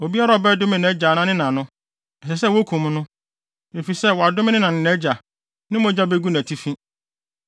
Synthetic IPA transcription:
o˨bi˦a˦ɾa˨ɔ˨bɛ˦dʊ˦mɪ̃˨nɛ˦d͡ʑa˨nã˦nɪ̃˦nã˨nʊ̃˦ | ɛ˨sɛ˨s̬ɛ˦˨wo˦kʰũ˨m˦nʊ̃˦ | me˨fi˨sɛ˦˨wɔ˨a˨dʊ˦mɪ̃˦nɪ̃˦nã˨nɪ̃˨nɛ˦d͡ʑa˨ | nɪ̃˦mʊ̃˦d͡ʑa˦be˦ɡu˦næ̃˨tʰi˦fĩ˦

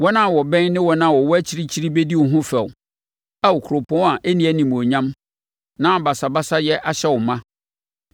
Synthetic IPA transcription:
wɔ˦nã˦˨wɔ˨bɛ̃˦nnɪ̃˦wɔ˦nã˦˨wɔ˨wɔ˦æ˦t͡ɕʰi˦ɾi˦t͡ɕʰi˦ɾi˦be˦di˦wʊ˨ɦʊ̃˦fɛ˨w | a˦wɔ˨kʰu˨ɾo˨pʰɔ̃˦a˨ʔæ˦nĩ˦æ˨nĩ˨m˨o˨ɲã˦m | nã˦˨ba˨sa˨ba˦sa˦jɛ˦ʔa˨ɕɛ˦wʊ˨mã˦

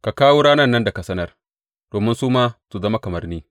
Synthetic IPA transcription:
ka˨kaː˦wo˦ɽaː˦nɐ˦˨nːɐ˦nda˨ka˨sɐ˦nɐ˦r | d̥oː˨mɪ˦nsuː˦maː˦su˨zɐ˦ma˦kɐ˨mɐ˨˦rniː˦

